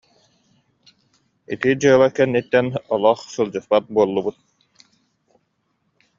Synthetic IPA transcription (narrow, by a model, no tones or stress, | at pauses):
it̪id͡ʑɯːlˠakɛnːit̪ːɛnɔlˠɔχsɯlˠd͡ʑɯspat̪̚buɔlˠːubut̪̚